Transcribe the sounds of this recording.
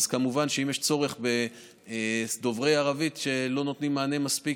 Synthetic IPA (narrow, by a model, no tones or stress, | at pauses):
z̥kamuvanʃeimjeʃt͡so̞ʁe̞χbe̞ | d̪o̞vʁejaʁavit̪ʃe̞lo̞not̪nimːaːnemaspi